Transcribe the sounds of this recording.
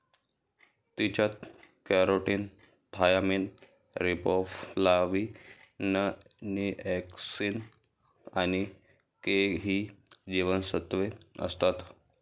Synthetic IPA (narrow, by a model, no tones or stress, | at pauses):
t̪it͡ɕat̪kɛɾoʈin | t̪ʰajamin | ɾipɔflaʋi | nə | niɛksin | añi | keɦiːd͡ʑiʋənsət̪ʋeə̰st̪at̪